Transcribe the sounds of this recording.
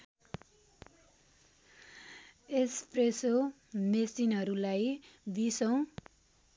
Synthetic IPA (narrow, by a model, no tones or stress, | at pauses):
espreso | mesinɦʌɾulajbisʌw̃